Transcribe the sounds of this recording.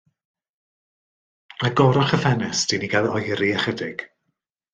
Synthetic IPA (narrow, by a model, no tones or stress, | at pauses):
aɡɔɾɔχəfɛnɪsd̥iniɡalɔjɾiaχədɪɡ̥